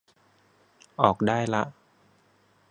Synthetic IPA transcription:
ʔɔː˨˩k̚daː˥˩jla˧˥ʔ

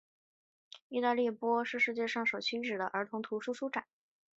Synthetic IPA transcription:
i˥˧t̪a˥˧li˥˩pwɔ˥ʂɻ̩˥˧ʂɻ̩˥˧t͡ɕjɛ˥˧ʂɑ˥˩ŋʂo˨˩ʊt͡ɕʰy˥ʈ͡ʂɻ̩˨˩d̪ə˦ʔə˞˧˥t̪ʰʊ˧˥ŋt̪ʰu˧˥ʂu˥ʂu˥ʈ͡ʂa˨˩˦

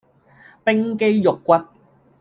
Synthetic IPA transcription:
pɪ˥ŋke˧˥jjo˨˩kːʷɐ˧˥t̚

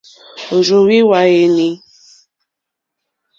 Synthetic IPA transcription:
o˨ɾo˨wi˦wa˨je˨ni˦

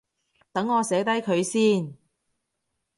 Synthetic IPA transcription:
t̪ɐ˨˥ŋːɔː˨˧sɛː˨˥t̪ɐ˥jkʰɵ˨˧ɥsiː˥˩n

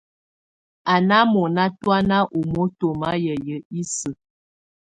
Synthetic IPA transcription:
a˨na˦mɔ˨na˦twa˦na˦ʔu˨mo˦to˨ma˦jə˨jə˨i˦sə˨

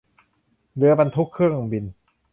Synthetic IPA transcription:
lɯ˧ɐba˧nt̪ʰu˦˥kʰːɯ˥˩əŋo˧ŋbi˧n

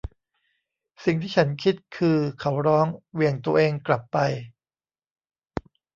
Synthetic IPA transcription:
si˨˩ŋt̪ʰiː˥˩t͡ɕʰa˦˥nkʰi˦˥t̪̚kʰɯː˧kʰa˦˥wɾɔː˦˥ŋwi˧˩əŋt̪u˧ɐʔeː˧ŋkla˨˩pːa˧j

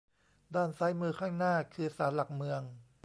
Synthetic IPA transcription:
daː˥˩nsaː˦˥jmɯː˧kʰaː˥˩ŋnaː˥˩kʰɯː˧saː˩˦nla˨˩k̚mɯ˧əŋ

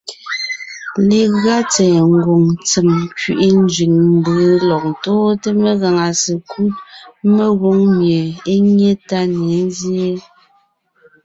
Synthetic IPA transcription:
le˨ɣa˦t͡sɛː˨ŋ˨˦ɡo˨ŋt͡se˨mkɥi˨ʔi˦n˦d͡ʒɥi˨ŋm̩˦bə˨˦lɔ˨k̚n˨toː˦te˦me˦ɣa˨ŋa˨se˨kʰu˦me˦ɣo˦ŋmje˨e˦ɲe˦ta˦ne˨˦n˦zje˦

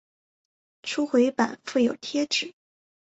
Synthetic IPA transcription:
ʈ͡ʂʰu˥xwe˧˥ɪpa̰˨˩˦nfe˥˩ɪjo˨˩ʊt̪ʰjɛ˥ʈ͡ʂɻ̩˨˩˦

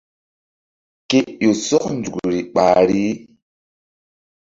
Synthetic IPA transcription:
ke˨jo˨sɔ˦knd͡ʒu˨kɾi˨ɓaː˨ɾi˦

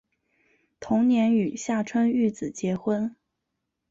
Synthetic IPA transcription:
t̪ʰʊ˧˥ŋnjɛ˧˥ny˨˩ɕja˥˩ʈ͡ʂʰwə˥ny˥˩t͡sɹ̩˨˩t͡ɕjɛ˧˥xwə˥n

